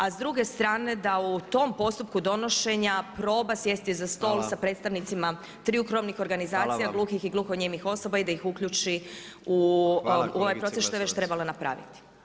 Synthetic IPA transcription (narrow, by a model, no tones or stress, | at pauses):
azd̪ɾuɡe̞st̪ɾaːne̞d̪aut̪o̞mpo̞st̪up̚kud̪o̞no̞ʃe̞ɲapɾo̞ːbasje̞st̪izast̪o̞ːlˠsapɾe̞t̪st̪aʋnit̪sima | t̪ɾiukɾomnixo̞ɾɡanizaːt̪sijaɡlˠuxixiɡlˠuːxoɲemixo̞sobaid̪aixukʎut͡ʃi | u | uo̞ʋajpɾo̞t̪eʃt̪ojee̞t͡ɕt̪ɾe̞balanapɾa̰ːʋḭt̪i̥